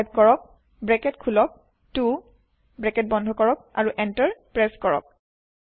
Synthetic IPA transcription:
jb̚kɔɹɔk̚ | bɹɛkɛtkʰulɔk̚ | tu | bɹɛkɛt̚bɔndʱɔkɔɹɔk̚a̰ɹuʔɛntəɹpɹɛskɔɹɔ̰k̚

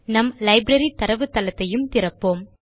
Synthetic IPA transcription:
nɐmlɐɪbɾɐɾit̪ɐɾɐʋɯt̪ːɐlɐt̪ːɐjɯmt̪ɪɾɐpːoːm

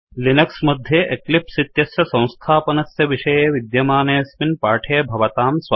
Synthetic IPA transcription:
linɐksmɐd̪ʱjeʔeklipsit̪jɐsjɐsɐ̃w̃st̪ʰaːpɐnɐsjɐʋiʂɐjeːʋid̪jɐmaːneːɐsminpaːʈʰeːbʱɐʋɐt̪aːmsʋ

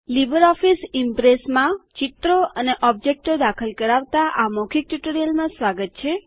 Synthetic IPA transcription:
libəɾɔfisimpɾesmãt͡ʃit̪ɾoəneʔɔb̚d͡ʒek̚ʈod̪akʰəlkəɾaʋt̪aʔamɔkʰik̚ʈuʈoɾijəlmãsʋaɡət̪̚t͡ʃʰe

